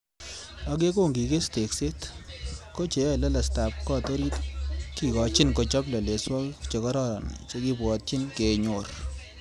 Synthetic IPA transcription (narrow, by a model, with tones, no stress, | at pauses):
a˨k̬e˦ko˦ŋɡi˨ke˦ste˨kse˦t | ko˦t͡ʃe˨jɔ˦˨lɛ˦la˨sta˨p̚kɔ˦to˦ɾi˦tki˨kɔ˨t͡ʃɪ˦nko˨t͡ʃɔ˦blɐ˨le˨swɔ˦kt͡ʃe˨kɔ˦ɾɔ˦ɾɔ̰˨nt͡ʃe˦ki˦pwɔ˨t̚t͡ʃɪ˦nke˨ɲo˨r